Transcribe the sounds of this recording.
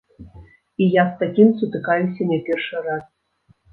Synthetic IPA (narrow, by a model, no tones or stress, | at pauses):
ijast̪akʲimsut̪ɨkajusʲɐnʲɛpʲerʂɨɾas